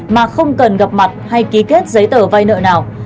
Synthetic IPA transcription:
maː˨˩xə˧wŋ͡mkə˨˩nɣa˨˩p̚ma˨˩t̚ha˧jki˨˦ke˦˥t̚zə˨˦jt̪əː˧˩va˧jnə̰ː˧˨naː˨˩w

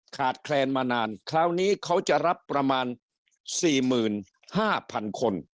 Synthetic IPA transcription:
kʰaː˨˩t̪̚kʰlɛː˧nmaː˧naː˧nkʰaː˦˥wniː˦˥kʰa˦˥wt͡ɕa˨˩ɾa˦˥pːɾa˧maː˧n | siː˨˩mɯː˨˩n | haː˥˩pʰa˧nkʰo˧n

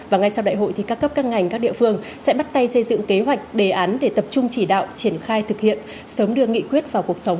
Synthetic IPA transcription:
vaː˨˩ŋa˧jsa˧wɗa̰ː˧˨jɦo̰˧˨jt̪i˨˩kaː˦˥kːə˦˥p̚kaː˦˥ŋ̚ŋa˨˩jŋ̟kaː˦˥k̚ɗḭ˧˨əfɨ˧əŋ | sɛ̰˧˥ɓa˦˥t̚t̪a˧jsə˧jzɨ̰˧˨ŋke˨˦ɦwa˨˩jk̟̚ɗe˨˩ʔaː˨˦nɗe˧˩t̪ə˨˩p̚t͡ɕʊ˧ŋ͡mt͡ɕi˧˩ɗa̰ː˧˨wt͡ɕi˧˩ənxaː˧jt̪ʰɨ˨˩k̚hḭ˧˨ən | səː˨˦mɗɨ˧ək̚ŋḭ˧˨kwi˦˥ət̚vaː˨˩wku˨˩ək̚sə˨˦wŋ͡m

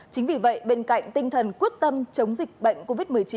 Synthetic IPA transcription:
t͡ɕï˨˦ŋ̟vi˨˩və̰˧˨jɓe˧nka̰˧˨jŋ̟t̪ï˧ŋ̟t̪ʰə˨˩nku˦˥ət̚t̪ə˧mt͡ɕə˨˦wŋ͡mzï˨˩k̟̚ɓə̰˧˨jŋ̟ko˧vi˦˥t̚mɨ˨˩əjt͡ɕi˨˦

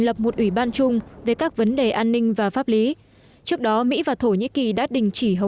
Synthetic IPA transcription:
ŋlə˨˩p̚mo˨˩t̚ʔwi˧˩ɓaː˧nt͡ɕʊ˧ŋ͡mve˨˩kaː˦˥k̚və˨˦nɗe˨˩ʔaː˧nːï˧ŋ̟vaː˨˩faː˦˥p̚li˨˦ | t͡ɕɨ˦˥ək̚ɗɔ˨˦mḭ˧˥vaː˨˩t̪ʰo˧˩ɲḭ˧˥ki˨˩ɗa̰ː˧˥ɗï˨˩ŋ̟t͡ɕi˧˩ɦə˨˩

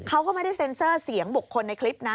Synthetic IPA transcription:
kʰa˦˥wkɔ˥˩ma˥˧˩da˥˩jse˧nsɤː˥˩si˩˦əŋbu˨˩kʰːo˧nːa˧jkʰli˦˥p̚na˦˥

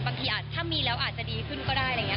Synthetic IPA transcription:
ba˧ŋkʰi˨˩ja˨˩t̪ʰːa˥˩mːiː˧lɛː˦˥wʔaː˨˩t̪̚t͡ɕa˨˩diː˧kʰɯ˥˩nkɔː˥˩daː˥˩jɾa˧˩˧ŋi˦˥

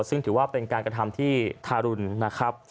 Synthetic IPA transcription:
sɯ˥˩ŋt̪ʰɯː˩˦waː˥˩pe˧nkaː˧nkɾa˧t̪ʰa˧mt̪ʰiː˥˩t̪ʰaː˧ɾu˧nːa˦˥kʰɾa˦˥p̚

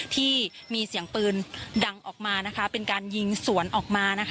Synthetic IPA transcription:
t̪ʰiː˥˩miː˧si˨˩˦əŋpɯː˧nda˧ŋʔɔː˨˩k̚maː˧na˦˥kʰa˦˥pe˧nkaː˧nji˧ŋsu˩˦ənʔɔː˨˩k̚maː˧na˦˥kʰ

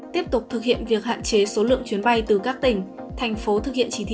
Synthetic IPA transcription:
t̪i˦˥əp̚t̪ʊ˨˩k͡p̚t̪ʰɨ˨˩k̚hḭ˧˨ənvi˨˩ək̚ha̰ː˧˨nt͡ɕe˨˦so˨˦lɨ̰˧˨əŋt͡ɕwi˨˦ənɓa˧jt̪ɨ˨˩kaː˦˥k̚t̪ï˨˩ŋ̟t̪ʰɛ˨˩jŋ̟fo˨˦t̪ʰɨ˨˩k̚hḭ˧ənt͡ɕi˧˩t̪ʰḭ˧˨

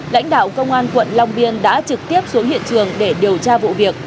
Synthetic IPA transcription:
la̰˧˥jŋ̟ɗa̰ː˧˨wkə˧wŋ͡mʔaː˧nkwə̰˧˨nla˧wŋ͡mɓi˧ənɗa̰ː˧˥t͡ɕɨ˨˩k̚t̪i˦˥əp̚so˨˦hḭ˧˨ənt͡ɕɨ˨˩əŋɗe˧˩ɗi˨˩əwt͡ɕaː˧vṵ˧˨vi˨˩ək̚

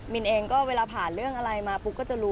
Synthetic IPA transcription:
mi˧nʔeː˧ŋkɔː˥˩weː˧laː˧pʰaː˨˩nɾɯ˥˩əŋʔa˧ɾa˧jmaː˧pu˦˥kːɔː˥˩t͡ɕa˨˩ɾuː˦

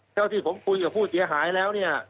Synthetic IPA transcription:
tʰɛː˥˩wt̪ʰiː˥˩pʰo˩˦mkʰu˧nkaː˨˩pʰuː˥˩t̪̚si˩˦ɐɦaː˩˦jlɛː˦˥wni˥˩ɐ

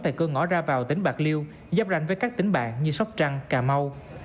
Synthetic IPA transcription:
t̪ʰe˧˩kəː˧ŋɔ̰˧˥zaː˧vaː˨˩wt̪ï˨˦ŋ̟ɓaː˨˩k̚li˧əw | zaː˦˧˥p̚za̰˧˨ŋ̟vəː˨˦jkaː˦˥k̚t̪ï˨˦ŋ̟ɓa̰ː˧˨ŋɲɨ˧sa˦˥wk͡p̚t͡ɕa˧ŋkaː˨˩ma˧w

